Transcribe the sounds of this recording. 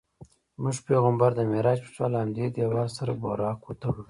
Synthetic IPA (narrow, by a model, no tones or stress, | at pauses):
mʊʒpeɣambaɾd̪əmeɾɑd͡ʒpə̥ʈ͡ʂalamd̪ed̪jawɑlsaɾabo̰ɾɑːkwot̪aɽu